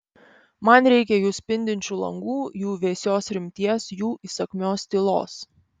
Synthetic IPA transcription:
mɐnɾʲɛɪkʲɛjuːsʲpʲɪnʲd̪ʲɪnʲt͡ʃʲuːlˠɐ̰ŋɡuːjuːʋʲeːsʲoːsɾʲɪmʲt̪ʲiɛsjuːʔisɐkʲmʲoːst̪ʲɪlˠo̰ːs

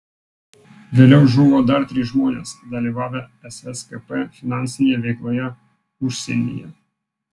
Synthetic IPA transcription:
ʋʲeːlʲɛʊʒuːʋoːd̪ɐɾt̪ʲɾʲɪʒmoːnʲḛːsd̪ɐlʲiːʋɑːʋʲɛɛsɛskɛpɛfʲɪnɑˑnʲsʲɪnʲeːjɛʋʲɛɪklˠoːjɛ | ʊʃʲsʲɛ̰nʲɪ̰jɛ̰

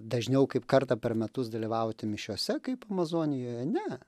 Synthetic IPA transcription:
d̪ɐʒʲnʲɛʊkɐɪpkɐrt̪ɐpʲɛrmʲɛt̪ʊsd̪ɐlʲiʋɐʊt̪ʲɪmʲɪʃʲuɔsʲɛkɐɪpɐmɐzoːnʲɪjoːjɛnʲɛ

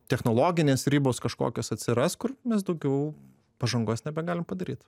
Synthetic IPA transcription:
t̪ʲɛxnoːlˠoːɡʲɪnʲeːsɾʲiːboːskɐʃko̰ːkʲoːsɐt̪ʲsʲɪɾɐskʊrmʲɛs̬d̪ɐʊɡʲɛʊ | pɐʒɐŋɡoːsnʲɛbʲɛɡɑːlʲɪmpɐd̪ɐɾʲiːt̪

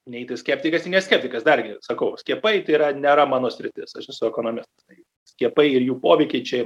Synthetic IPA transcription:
nʲɛɛɪt̪ʲɪsʲkʲɛːpʲt̪ʲɪkɐsɪnʲɛsʲkʲɛːpʲt̪ʲɪkɐsd̪ɐrɡʲɪsɐkɐʊsʲkʲiɛpɐɪt̪ɐɪiɾɐnʲeːɾɐmɑːnoːsʲɾʲɪt̪ʲɪsɐʃɛsʊɛkoːnoːmʲɪst̪ɐst̪ɐɪ | sʲkʲiɛpɐɪɪrjuːpoːʋʲɛɪkʲɛɪt͡ʃʲɛ

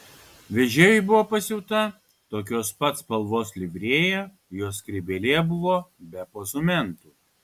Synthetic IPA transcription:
ʋʲɛʒʲeːjʊɪbʊʋoːpɐsʲɪʊt̪ɐ | t̪oːkʲoːspɐt̪spɐlˠʋoːslʲɪbʲɾʲiːjɛ | joːskɾʲɪbʲelʲeːbʊʋoːbʲɛpoːsʊmʲɛnt̪uː

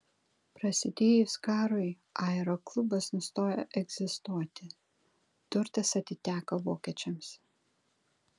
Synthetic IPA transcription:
pɾɐsʲɪd̪ʲeːjʊskɑːɾʊɪ | ʔɑɛɾɔklˠʊbɐsnʊst̪oːjo̰ʔɛɡz̥ʲɪst̪uɔt̪ʲɪ | d̪ʊɾt̪ʲɐsɐt̪ʲɪt̪ʲæːkɐʋoːkʲɛt͡ʃʲɛms

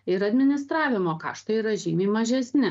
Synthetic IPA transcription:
ɪɾɐd̪ʲmʲɪnʲɪst̪ɾɑːʋʲɪmoːkɑ̰ːʃt̪oːiɾɐʒʲiːmʲeːmɐʒʲɛsʲnʲɪ

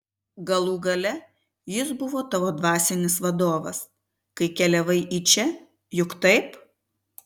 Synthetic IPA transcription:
ɡɐlˠuːɡɐlʲɛ | jɪsbʊʋoːt̪ɐʋoːd̪ʋɑːsʲɪnʲɪsʋɐd̪oːʋɐs | kɐɪkʲɛlʲɛʋɐɪʔit͡ʃʲɛ | jʊkt̪ɐɪp

